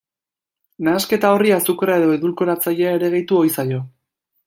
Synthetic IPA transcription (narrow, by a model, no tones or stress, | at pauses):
naːske̞t̪ao̞riasukrae̞ðo̞eðulko̞ɾat͡saʎeaeɾe̞ɣejt̪uo̞jsajo̞